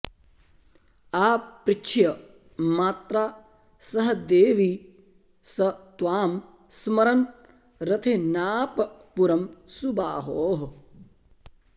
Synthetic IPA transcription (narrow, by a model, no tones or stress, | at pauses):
aːpːɾɪt͡ʃʰjɐ | maːt̪ɾaː | sɐɦɐd̪eːʋi | sɐt̪ʋaːm | smɐɾɐn | ɾɐt̪ʰenaːpɐpuɾɐmsubaːɦoːɦ